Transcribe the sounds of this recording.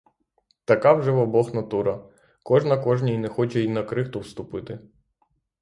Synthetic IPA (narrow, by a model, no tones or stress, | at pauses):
t̪ɐkawʒɛʋɔbɔxnɐt̪uɾɐ | kɔʒnɐkɔʒnʲijinɛxɔt͡ʃɛinɐkɾɪxt̪ɔwst̪ʊpɪt̪ɪ